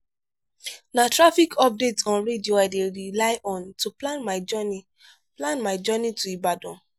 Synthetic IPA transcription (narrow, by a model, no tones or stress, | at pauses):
natɹafikʰɔp̚detɔ̃nɹedioaɪdeɹilaɪʔɔ̃ntuplãnmaɪd͡ʒɔni | plãnmaɪd͡ʒɔnituibadɔ̃